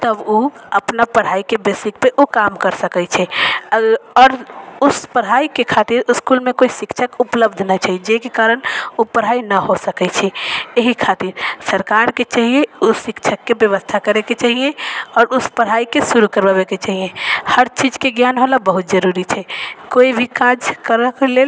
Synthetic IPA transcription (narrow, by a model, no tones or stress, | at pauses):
t̪əboəpnapəɽ̤aːikebesɪk̚peʔokaːmkəɾsəkɛt͡ʃʰɛəɔːɾʊspəɽɦaːikekʰaːt̪iɾɪskulmẽkoːisɪkt͡ʃʰəkʊpləbd̪ʱnat͡ʃaːɦid͡ʒekekaːɾənopəɾ̤aːinəɦosəkɛt͡ʃʰɛeɦikʰat̪iɾsəɾkaɾket͡ʃaɦieusɪkt͡ʃʰəkːebjəʋəst̪ʰakəɾeket͡ʃaːɦiẽɔːɾʊspəɾɦaikesuɾukəɾbəbeket͡ʃaɦiẽhəɾt͡ʃid͡ʒkeɡjanɦolabəɦut̪̚d͡ʒəɾuɾit͡ʃʰɛkoibʱikad͡ʒkəɾkelel